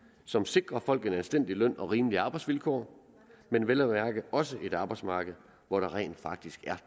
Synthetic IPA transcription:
sɒ̽mse̝ɡ̥ʁɐfɒ̽l̰ɡ̥e̝nælsd̥en̰d̥ilœn̰ɒ̽ʁiːməliɑ̈ːb̥ɑ̈ɪsʋilkʰɒ̰ː | menʋelæʋæɐɡ̥əð̩ˠɒ̽s̬əʔe̝d̥ɑ̈ːb̥ɑ̈ɪsmɑ̈ːɡ̥əð̞̩ˠ | ʋɒɾ̥ɑ̈ʁɛ̰ːnd̥fɑ̈ɡ̥̚d̥isɡ̥æɐ

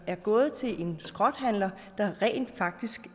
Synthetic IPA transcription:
æɐɡ̥ɔ̰̽ːð̞̩ˠt͡sʰe̝lʔe̝nsɡ̥ʁɒ̽d̥ɦæn̰lɐ | d̥ɑ̈ʁɛ̰ːnd̥fɑ̈ɡ̥̚d̥isɡ̥

